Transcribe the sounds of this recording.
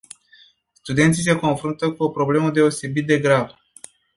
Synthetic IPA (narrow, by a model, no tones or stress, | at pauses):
st̪ud̪et̪sise̞ko̞nfɾunt̪əkuo̞pɾo̞ble̞məd̪e̞o̞se̞bit̪̚d̪e̞ɡɾav